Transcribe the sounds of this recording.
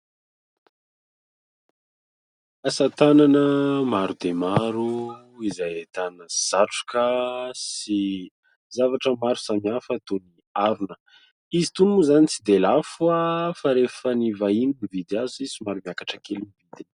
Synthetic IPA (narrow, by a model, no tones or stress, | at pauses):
asat̪ananəmaɾud̪emaɾu | izajet̪anəz̥aʈ͡ʂu̥kʲəsi | zavaʈ͡ʂəmaɾu̥samiafət̪oni | aɾunə̥ | izit̪unmuzanit͡sid̪elafuafaɾefənivainibivid̪azisimaɾumiakaʈ͡ʂəkʰelinivid̪in